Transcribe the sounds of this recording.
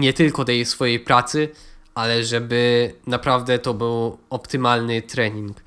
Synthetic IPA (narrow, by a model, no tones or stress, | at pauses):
ɲɛt̪ɘlkɔt̪ɛjsfɔjejpɾat̪sɘalɛʐɛbɘnapɾavd̪ɛt̪ɔbɘwɔpt̪ɘmalnɘt̪ɾɛɲiŋk